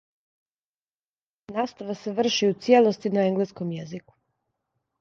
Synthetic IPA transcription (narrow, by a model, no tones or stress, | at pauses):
naːst̪aʋaseʋr̩ʃiut̪sjelˠost̪inaeŋɡleskomjeziku̥